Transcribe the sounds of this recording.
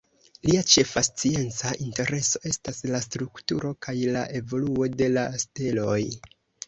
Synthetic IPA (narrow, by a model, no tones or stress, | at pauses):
liat͡ʃe̞fast͡sie̞nt͡saʔinte̞ɾe̞so̞e̞staslastɾuktṵɾo̞kajlaʔe̞vo̞luo̞de̞laste̞lo̞j